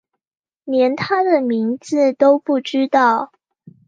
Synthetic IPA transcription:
njɛ˧˦nt̪ʰa˦d̪ə˨mi˧˥ŋd͡zɹ̩˥˨t̪o˥ʊpu˥˩ʈ͡ʂ̩˥t̪ɑ˥˨˩ʊ

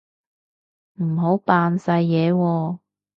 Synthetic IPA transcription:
m̩˨˩ɦo˨˥wpaː˧nsɐ˧jːɛː˨˧˦wɔː˧

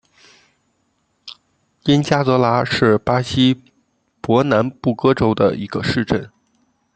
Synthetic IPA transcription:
jɛ˥nt͡ɕja˥t͡sɤ˧˥la˧˥ʂɻ̩˥˩pa˥ɕi˥ | pwɔ˧˥na˧˥npu˥˩kɤ˥ʈ͡ʂo˥ʊd̪ə̰˧˨ʔi˧˥ɡ̥ə˧ʂɻ̩˥˧ʈ͡ʂə˥˩n

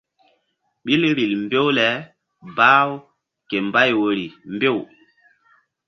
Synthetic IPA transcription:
ɓi˦lɾi˨lmbe˦wlɛ˨˦ | baː˦w | ke˨mba˦jwo˨ɾi˨mbe˦˨w

